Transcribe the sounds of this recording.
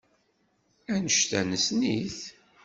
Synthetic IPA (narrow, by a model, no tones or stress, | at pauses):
ænəʃt̪ænəsniθ